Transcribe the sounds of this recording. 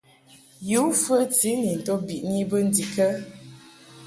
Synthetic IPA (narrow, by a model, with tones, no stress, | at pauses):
ju˨˦fə˦ti˨˦ni˨n̩˨to˦bi˨ʔni˦bə˦n̩˦di˨kə˦